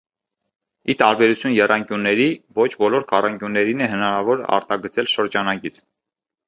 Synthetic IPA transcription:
it̪ɑɾbɛɾut͡sʰjunjɛrɑŋkjunːɛɾivɔt͡ʃʰbɔlɔɾkɑrɑŋkjunːɛɾinɛɦənɑɾɑvɔɾɑ̰ɾt̪ɑɡət͡sʰɛlʃəɾd͡ʒɑnɑkit͡sʰ

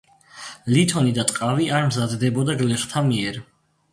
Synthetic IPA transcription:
lit̪ʰɔnid̪at̪ʼqʼaviʔaɾmzad̪d̪ɛbɔd̪aɡlɛχt̪ʰamiɛɾ

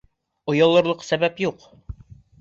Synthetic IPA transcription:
ŏjɑ̆lˠɤ̆ɾlˠɤqsæβæpjuq

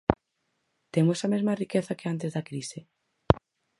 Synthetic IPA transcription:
t̪emosɐmezmɐrikeθɐkeant̪̬ezðɐkɾisɪ

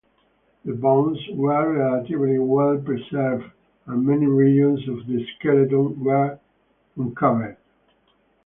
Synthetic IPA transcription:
ðəbõnzwə˞ɹɛlat̪ivliwɛlpɹɛsɛvd | ə̃mɛniɹid͡ʒə̃nsɔvðəskɛlətəlwəɹ | ə̃nkʰʌvə˞d

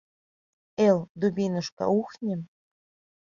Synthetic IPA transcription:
eld̪ubʲinə̆ʃkɑ̰uxnʲə̆m

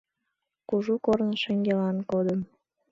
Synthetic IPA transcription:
kuʒukornəʃəŋɡʲelɑnkod̪əm

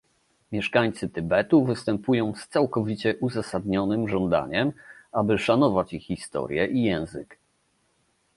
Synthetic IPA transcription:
mʲjɛʂkaɲt̪sɘt̪ɘbɛt̪uvɘst̪ɛmpujɔ̃w̃st̪sawkɔvʲit͡ɕɛʔuzasad̪ɲɔnɘmʐɔnd̪a̰ɲɛmabɘʂanɔvat͡ɕixːist̪ɔ̰ɾʲjɛʔijɛ̃w̃zɘ̰k

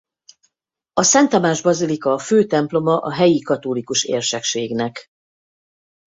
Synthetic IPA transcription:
ɒsɛnt̪ɒmaːʒbɒzilikɒføːt̪ɛmplo̞mɒʔɒɦɛjikɒt̪olikuʃḛːrʃɛkʃeːɡnɛk

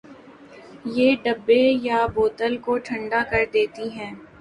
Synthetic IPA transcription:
jeːɖɐbːejaboːt̪əlkoʈʰɐ̃ɳɖakɐɾd̪eːt̪iɦɛ̃ː

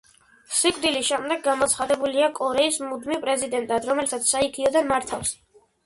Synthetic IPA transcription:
sikʼd̪iliʃɛmd̪ɛɡːamɔt̪sʰχad̪ɛbuliakʼɔɾɛismud̪mipʼɾɛzid̪ɛnt̪ʼad̪ɾɔmɛlt̪ʰat̪sʰsaikʰiɔd̪anmaɾt̪ʰafs

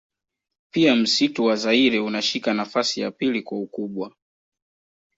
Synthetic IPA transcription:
piam̩situwazaiɾɛunaʃikanafasija̰pilikwaukuɓwa

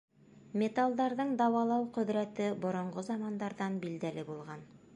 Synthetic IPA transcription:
mʲet̪alˠd̪ɑɾðɤɴd̪ɑwɑlˠɑwqɵ̆ðɾæt̪ɘbŏɾŏɴɢozɑmɑnd̪ɑɾðɑnbild̪ælɘbulˠʁɑn

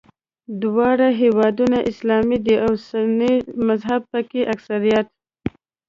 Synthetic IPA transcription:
d̪wɑɽaɦewɑd̪unaʔɪslɑmid̪əawsanimazɦab̚pəkeʔaksaɾijat̪̚

